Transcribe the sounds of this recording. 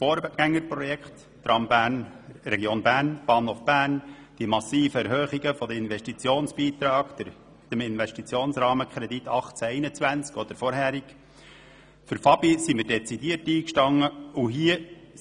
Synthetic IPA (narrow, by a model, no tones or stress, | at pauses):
foːɾɡ̥æŋːəɾpɾɔjɛkχt̪ːrɑmbænrɛɡjoːnbæːɾnb̥ɑːnhofb̥æːrn | d̥imɑsiːfəɛɾɦœːχiɡəfɔd̪əɪnʋɛʃtit͡sjoːnsb̥iːt̪ɾɑːɡ̥̪ | d̥̪əmɪnʋɛʃtit͡sjoːnsɾɑːməkʰχɾɛd̪it̪ːɑχt͡sæɛɪnət͡svænt͡skɔd̪̥əɾfɔɾɦæːɾiɡ | fʏɾfɑbisimiɪɾdɛt͡sidiərtiːkʃtɑŋːəuɦiə